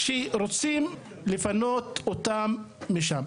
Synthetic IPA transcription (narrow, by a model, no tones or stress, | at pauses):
ʃiɾot͡sim | lifanot̪ot̪amː | iʃam